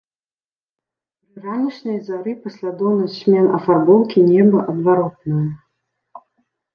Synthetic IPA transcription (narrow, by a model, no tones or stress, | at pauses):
ɾɨranʲiʂnɐjzaɾɨpɐsʲlʲad̪ɔwnɐsʲmʲɛnɐfarbɔwkʲinʲɛbɐʔɐd̪vaɾɔt̪nɐjɐ